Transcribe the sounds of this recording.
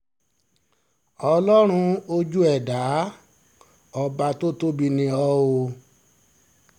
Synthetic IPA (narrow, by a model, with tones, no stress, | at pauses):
ɔ˧lɔ˦ɾ̃ũ˧o˧d͡ʒu˦ɛ˦˨da˨˦ | ɔ˧ba˧to˦to˦bi˧nĩ˧ɔ˧˦o˧